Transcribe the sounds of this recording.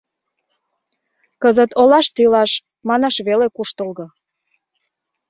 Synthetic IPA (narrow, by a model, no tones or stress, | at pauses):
kəzət̪olɑʃt̪ilɑʃ | mɑnɑʃβelekuʃt̪əlɣɤ̆